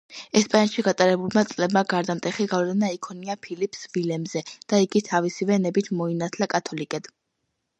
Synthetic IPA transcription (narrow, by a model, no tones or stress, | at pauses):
ɛspʼanʃiɡat̪ʼaɾɛbulˠmat̪sʼlɛbmaɡaɾd̪amt̪ʼɛχiɡavlɛnaikʰɔniapʰilipʰsvilɛmzɛd̪̥aiɡit̪ʰavisivɛnɛbit̪ʰmɔinat̪ʰlakʼat̪ʰɔlikʼɛd̪̥